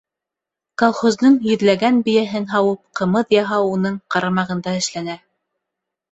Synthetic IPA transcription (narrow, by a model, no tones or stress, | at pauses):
kolˠχozd̪ɤɴjɵ̆ðlæɡænbɘ̆jæɦɘnɦɑwɤp̚qɤ̆mɤðjɑɦɑunɤɴqɑɾɑmɑʁɤ̆nd̪ɑɘ̆ʃlænæ